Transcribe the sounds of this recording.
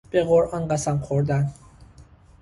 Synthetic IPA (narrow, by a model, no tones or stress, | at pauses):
b̥eɣoɾʔɒnɢæsæmχoɾd̪æn